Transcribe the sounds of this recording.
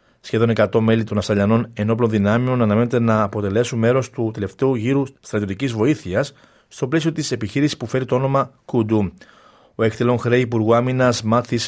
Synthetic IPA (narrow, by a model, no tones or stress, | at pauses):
sçe̞ðo̞nekɐt̪o̞melit̪o̞nɐfsɐʎɐno̞ne̞no̞plo̞nðinɐmeo̞nɐnɐme̞ne̞t̪enɐːpo̞t̪e̞le̞sunme̞ɾo̞st̪ut̪e̞le̞ft̪e̞uʝiɾust̪ɾɐt̪io̞t̪icizvo̞iθiɐsː | t̪o̞ple̞sio̞t̪ise̞piçiɾisispufe̞ɾit̪o̞ono̞mɐkud̪u | o̞ekt̪elo̞nxɾeipuɾɣuɐminɐzmɐθis